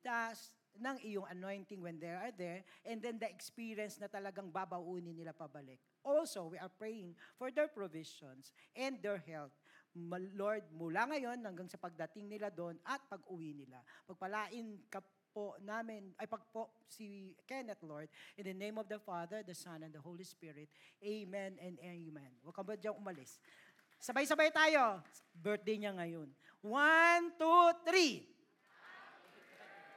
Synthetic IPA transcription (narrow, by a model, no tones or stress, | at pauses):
t̪as | nɐŋʔɪjoŋɐnojnt̪ɪŋwɛnd̪ɛɹaɹd̪ɛɹʔɛ̃nd̪ɛnd̪ɐɛkspiɹjɐnsnɐt̪ɐlɐɡaŋbabɐʔuːnɪnɪlapɐbɐlɪk̚ʔolsowiɐɹpɹɛjɪŋfɔɹd̪ɛɹpɹovɪʃɔnsʔɛnd̪d̪ɛɹɦɛlt̪̚ | loɹd̪̚mʊlaŋɐjo̞nhɐŋɡaŋsɐpɐɡ̚d̪ɐt̪ɪŋnɪlad̪onɐt̪̚pɐɡʊwinɪla̰pɐɡ̚pɐlaːʔɪnkɐ | ponaːmɪnʔɐjpɐɡ̚posikɛnɛt̪loɹd̪̚ʔɪ̃nd̪ɐnẽjmɔvd̪ɐfaðɛɹd̪ɐsɐ̃nɛ̃nd̪ɐhowlispɪɹɪt̪̚ʔemɛnɛ̃nd̪ɛmɛnwɐɡ̚kɐmbot̪̚d͡ʒaŋʔʊmɐlɪs | sɐbajsɐbajt̪aːjo̞ | bɛɹt̪̚d̪ɛjɲaŋɐjon | want̪ut̪ɾi